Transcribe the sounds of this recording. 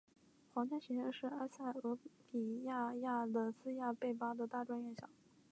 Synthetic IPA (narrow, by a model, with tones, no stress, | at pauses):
xwɑ˧˥ŋt͡ɕja˥ɕɛ˧˥ɛ˥˧ŋʂɻ̩˥˧a˥sa˥˩ɪɤ˧˥pi˨˩ja˥˩˧ja˥˩d̪ə˩sɹ̩˥ja˥˧pe˥˩ɪpa˥d̪ə˨t̪a˥˩ʈ͡ʂwa˥nɥɛ˥˩nɕjɑ̰˨˩˦ŋ